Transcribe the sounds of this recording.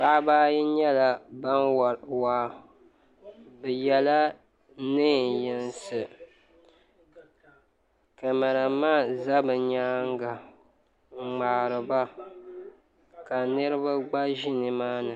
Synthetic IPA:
pa˦ʔa˦baː˦ji˦ɲɛ˦la˨ba˦n˨waː˦ | bɛ˨jɛ˦la˦ | nɨ˦˨jɪ˨nsɨ˨ | kɨ˨ma˨ɾa˨maː˦za˦bɨ˨ɲaː˦ŋɡa˨ | ŋ͡maː˨ɾɨ˨ba˦ | ka˨nɨ˦ɾɨ˦ba˦ɡ͡ba˦ʒɪ˦nɨ˨maː˦nɨ˨

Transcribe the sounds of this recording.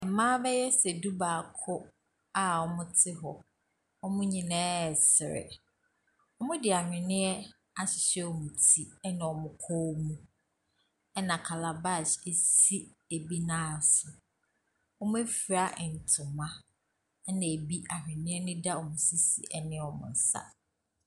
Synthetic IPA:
ɛ˨mãː˦bɛ˦jɛ˦sɛ˨du˦baː˨kʰʊ˦ | a˦˨ɔ˨mʊ̃˦tʰɪ˦ɦɔ˨ | ɔ˦mʊ̃˦ɲĩ˨nɛ̃ː˦˨sɪ˨ɾɪ̰˨ | ɔ˦mʊ̃˦dɪ˨a˨hᶣɪ̃˨nɪ̃˦ɛ˦ | a˨ɕɪ˨ɕɛ˦ɔ˨mũ˨tʰi˨ɛ˦nã˨wɔ˨mʊ̃˦kʰɔ˦mũ˦ | ɛ˦nã˨kʰa˨la˨ba˦˨se˨si˦e˨bi˦nãː˦˨sɪ˨ | ɔ˦mʊ̃˦e˦fi˨ɾa˦ʔɪ˨n̩˨tʰʊ˨mã˦ | nã˨e˨bi˦ʔa˨hᶣɪ̃˨nɪ̃˦ɛ˦nɪ̃˦da˦ɔ˨mʊ̃˦si˦sḭ˨ʔɛ˦nɪ̃˦ɔ˨mʊ̰̃˨n̩˦sa̰˦

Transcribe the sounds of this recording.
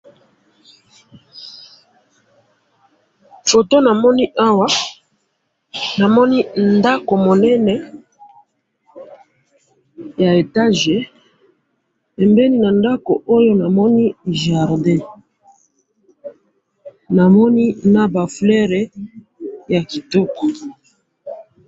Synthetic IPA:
fo˨to˦na˨mɔ˦ni˦ʔa˦wa˦ | na˨mɔ˦ni˦nda˦ko˨mo˨nɛ˦nɛ˨ | ja˨e˨ta˦ʒe˨ | pɛ˨mbɛ˦ni˦na˨nda˦ko˨o˦jo˦na˨mɔ˦ni˦ʒa˨ʁdɛ̃˦ | na˨mɔ˦ni˦na˨ba˨flɛ˦ʁɛ˨ | ja˨ki˨tɔ˦kɔ̥˨

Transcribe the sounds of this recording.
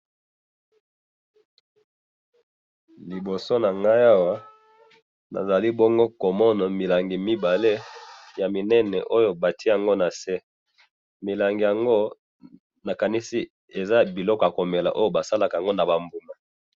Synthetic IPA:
li˨bo˨so˦na˨ŋɡa˦ja˦wa˦ | na̰˨za˨li˦bɔ˦ŋɡo˦ko˨mɔ˦na˨mi˨la˨ŋɡi˨mi˦ba˨le˦ja˨mi˨nɛ˦nɛ̰˨ʔo˦jo˦ba˨ti˦ja˨ŋɡo˦na˨sɛ˦ | mi˨la˨ŋɡi˨ja˨ŋɡo˦ | na˨ka˨ni˦si˦ | e˨za˦bi˨lɔ˦kɔ˨a˨ko˨me˨la̰˨ʔo˦jo˦ba˨sa˦la˨ka˨a˨ŋɡo˦na˨ba˨mbu˨na˨

